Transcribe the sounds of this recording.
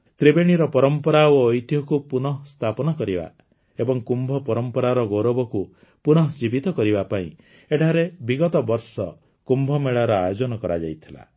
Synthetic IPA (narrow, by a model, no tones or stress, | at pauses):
t̪ɾebeɽ̃iɾɔpɔɾɔmpɔɾaoːjt̪jɔkupunɔɦst̪ʰapɔnɔkɔɾiba̰ | ebɔŋkumbʱɔpɔɾɔmpɔɾaɾɔɡoɾɔbɔku | punɔɦd͡ʒibit̪ɔkɔɾibapaḭ̃ | eʈʰaɾebiɡɔt̪ɔbɔɾsɔ | kumbʱɔmeɭaɾɔajod͡ʒɔnɔkɔɾa̰d͡ʒa̰jt̪ʰila̰